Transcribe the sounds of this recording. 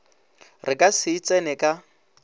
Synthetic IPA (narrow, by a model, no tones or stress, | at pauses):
rɪkʼasɪit͡sʼɛnɛkʼa